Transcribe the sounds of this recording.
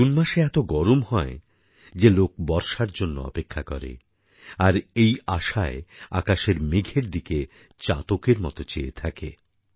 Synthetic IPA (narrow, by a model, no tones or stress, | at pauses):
unmaʃeɛt̪oɡɔɾomɦɔe | d͡ʑelok̚bɔɾʃaɾd͡ʑonːo̰ɔ̰pekʰːakɔ̰ɾḛ | aɾejaʃaea̰kaʃeɾmeɡʱeɾd̪ike | t͡ɕa̰t̪okeɾmɔ̰t̪ot͡ɕeḛt̪ʰakḛ